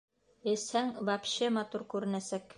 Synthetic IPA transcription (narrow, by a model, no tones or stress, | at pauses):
ɘ̆shæŋvɑpɕemɑt̪uɾkʉɾɘ̆næsæk